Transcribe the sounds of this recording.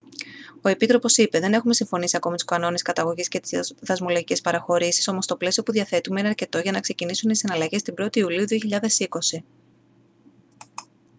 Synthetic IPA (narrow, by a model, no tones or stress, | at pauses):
o̞e̞pit̪ɾo̞po̞sipe̞ðe̞ne̞xume̞siɱfo̞nisiɐko̞mit̪u̥skɐno̞neskɐt̪ɐɣo̞ʝisce̞t̪iðɐzmo̞loʝice̞spɐɾɐxo̞ɾisi̥so̞mo̞st̪o̞ple̞sio̞puðiɐθe̞t̪ume̞ineɐɾce̞t̪o̞ʝɐnɐkse̞cinisunisinɐlɐʝe̞st̪imbɾo̞t̪iːuliuðio̞çiʎɐðe̞siko̞si